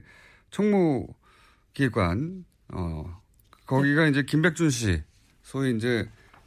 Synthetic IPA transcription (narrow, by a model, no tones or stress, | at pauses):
t͡ɕʰʌŋmu | kiɡwa̰n | ʌ̰ | kʌɡiɡaind͡ʑe̞kimbe̞k̚t͡ɕ͈unɕ̬ʰḭ | sʰoiːnd͡ʑe̞